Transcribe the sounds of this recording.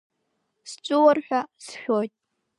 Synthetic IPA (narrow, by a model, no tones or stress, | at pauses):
st͡ʃʷʼɨwarħᶣasʃʲᶣojtʼ